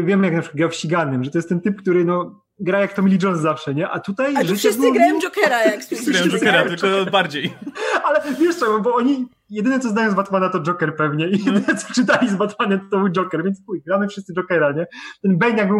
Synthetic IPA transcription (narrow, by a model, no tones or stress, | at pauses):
vʲjɛmɘjaknapʂɨ̥kwat̪ɡjɛwfɕt͡ɕiɡanːɨmʐɛt̪ɔjɛst̪ːɛnt̪ɘp̚kt̪uɾɘnɔ | ɡɾajak̚t̪ɔmʲilʲit͡ʂɔnzzafʂɛɲɛʔat̪ut̪ajʐɨʂɨszɨɡɾãd͡ʒɔkɛɾajaksajɔɛɾat̪ɪlkɔbaɾd͡ʑejalɛvʲjɛʂt̪sɛɡɔbɔɔɲi | jɛd̪ɘnɛt̪sɔznajɔ̃w̃zbat̪manat̪ɔd͡ʐɔkɛɾpɛvɲɛijɛd̪ɘnɛt̪sɔ̥ʈ͡ʂɨt̪alʲizbat̪manɛmt̪t̪ɔbwd͡ʐɔkɛɾvʲjɛntst̪ujɡɾamɘfʂɨst̪sɨd͡ʐɔkɛɾaɲɛt̪ɛnbɛnt̪jaɡbɨ